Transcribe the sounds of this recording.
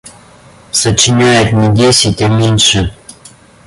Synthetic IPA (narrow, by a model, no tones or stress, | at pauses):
sət͡ɕɪnʲajɪt̪nʲɪdʲesʲɪtʲamʲenʲʂɨ